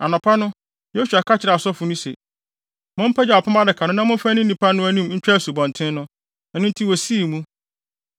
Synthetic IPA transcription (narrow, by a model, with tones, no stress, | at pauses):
a˨nʊ̃˨pʰa˦nʊ̃˦ | je˦su˨a˨kʰa˦t͡ɕʰɪ˨ɾa˨sɔ˦fʊ˨nũ˦sḛ˨ | mʊ̃˦m̩˦pʰɛ˦d͡ʑɛ˨ɔ˨pʰʊ˦ma˦dɪ˨kʰã˨nʊ̃˦nã˦mʊ̃˦fæ˦nĩ˦ĩ˨pʰa˦nʊ̃˦æ˦nĩ˦m˦ɲ̩˦t͡ɕᶣa˦˨su˨bɔ̃˨ntʰɪ̃˦n˦nʊ̃˦ | ɛ˨nʊ̃˦n̩˦tʰi˦wo˨si˦˨mũ˦